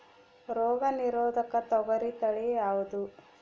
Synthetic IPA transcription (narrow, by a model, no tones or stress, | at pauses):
ɾɔːɡɐniɾoːd̪ɐkɐt̪ɔɡɐɾit̪ɐɭijaːʋud̪u